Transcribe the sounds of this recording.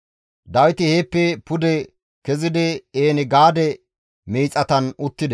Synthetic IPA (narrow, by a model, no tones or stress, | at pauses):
d̪ɐwɪt̪ɪheːpːɛpʊd̪ɛ | kɛzɪd̪ɪeːnɪɡaːd̪ɛ | miːt͡sʼːɐt̪ɐnʊt̪ːɪd̪ɛ